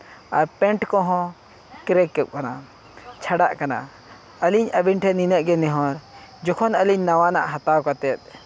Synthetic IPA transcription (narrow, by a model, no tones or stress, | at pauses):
aɾpɛ̃ɳʈkɔɦɔ̃ | kɾɛkːɛʔ̚kana | t͡ʃʰaɖaʔkana̰ | əliɲəbinʈʰɛninəʔɡɛnɛɦɔ̃ɾ | d͡ʒɔkʰɔnəliɲnawanaʔɦat̪awkat̪ɛt̪̚